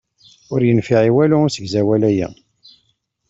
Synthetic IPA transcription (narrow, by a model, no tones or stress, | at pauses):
ʊɾjənfiʕiwælʊʊɾsəɡzæwælæjæ̰